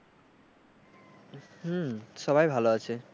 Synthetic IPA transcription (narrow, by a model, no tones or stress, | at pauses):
h̩ʃɔbajbʱaloat͡ɕʰe